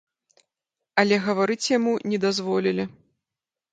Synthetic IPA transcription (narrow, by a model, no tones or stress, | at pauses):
ɐlʲɛɣɐvaɾɨt͡sʲjamunʲɛd̪azvɔlʲilʲi